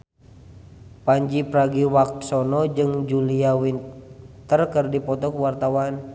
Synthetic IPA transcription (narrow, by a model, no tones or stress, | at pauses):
paɲd͡ʒipɾaɡiwak̚t̪sɔnɔd͡ʒɨŋd͡ʒuliawint̪ərkərdipɔt̪ɔkəwart̪awan